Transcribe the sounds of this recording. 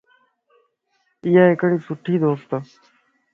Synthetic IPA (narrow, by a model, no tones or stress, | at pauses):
iːɦaːɦɪkɽiːsʊʈʰiːd̪oːst̪